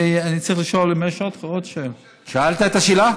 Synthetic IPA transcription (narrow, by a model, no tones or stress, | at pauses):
anit͡sʁiχliʃolemeʃot̪χaotʃem | ʃaalt̪aet̪aʃila